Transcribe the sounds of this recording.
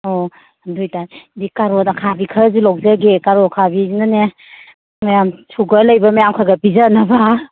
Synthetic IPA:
ɔ | dujtadikaɾɔtakʰabikʰəzulɔk̚zəɡekaɾɔkʰabinane | majamsʰuɡaləjbamajamkʰaɡapizanaba

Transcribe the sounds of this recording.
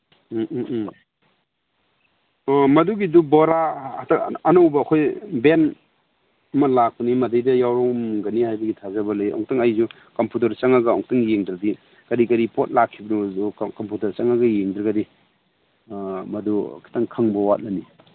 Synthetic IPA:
mɐduɡidubɔɾataɐnowbɐːkʰojben | ɐmɐlak̚pɐnimɐdajdɐjawɾɔŋmŋɡɐnihajbɐɡitʰazɐbɐlajʔɔ̰ŋktaŋajzu | kɐmputɐɾt͡ʃaŋaɡɐɔ̰ŋktʰaŋjeŋdɾadi | kɐɾikɐɾipot̚lakʰːibɐnuzukɐmputɐɾt͡ʃaŋaɡɐjeŋdɾɐɡɐdi | mɐdṵkʰi̥tʰaŋkʰaŋbɐwat̚lani

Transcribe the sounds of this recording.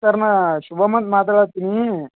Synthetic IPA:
ɐɾnɐɕubʱɐmɐnt̪maːt̪ɐɭat̪ini

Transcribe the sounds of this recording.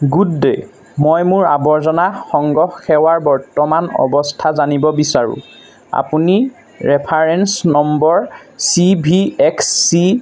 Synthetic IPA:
ɡudːe | mɔjmʊɹabɔɹzɔnaxɔŋɡɔxxɛwaɹbɔɹtɔmanɔ̰bɔstʰazanibɔbisaɹṵ | a̰puni | ɹɛpʰaɹɛnsnɔmbɔɹsibʱiɛksːi

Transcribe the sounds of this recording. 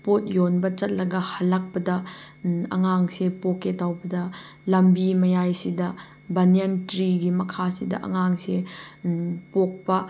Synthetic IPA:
pot̚jonbɐt͡ʃɐt̚lɐɡɐhɐlːak̚pɐdɐ | ɐ̰ŋaŋsepokːetawbɐdɐlɐmbimɐjajsidɐ | bɐnientɾiɡimɐkʰasidɐ̰ʔɐ̰ŋaŋse | pok̚pɐ

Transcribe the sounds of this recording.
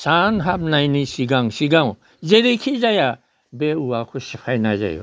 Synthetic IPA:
sanɦab̚najnisiɡaŋsiɡaw | zeɾikʰizaja | beuwakʰusipʰajna̰za̰jo̰

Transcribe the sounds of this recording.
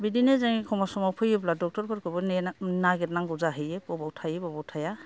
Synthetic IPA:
bidinɛzaŋikʰɔmasɔmapʰɔjɔbladɔk̚tɔɾbʰɔɾkɔbɔnnaɡɛtnaŋɡuzaɦɯjɛbɔbawtʰajibɔbawtʰaja

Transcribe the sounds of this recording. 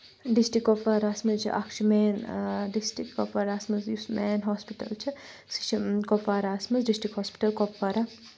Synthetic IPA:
ɖisʈikːopːaːɾaːsmɐzt͡ʃʰḭʔa̰kʃʰimeːnɖisʈɾikkopːaɾaːsmɐzjusmeːnɦɔspiʈɐ̰lt͡ʃʰisi̥t͡ʃʰikopːaːɾaːsmɐzɖisʈikhɔspi̥ʈɐlkopːaɾa

